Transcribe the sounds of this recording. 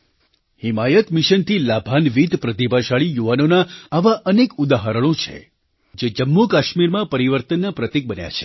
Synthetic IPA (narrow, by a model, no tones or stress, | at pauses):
himajət̪mɪʃənt̪ʰilabʱanʋid̪pɾət̪ipaʃaɭijuʋanonaːʋaʔənekud̪aɦaɾəɽ̃õt͡ʃʰḛ | d͡ʒed͡ʒəmːukaʃmiɾmãpəɾiʋəɾt̪ənːapɾət̪ik̚bənja̰t͡ʃʰe̥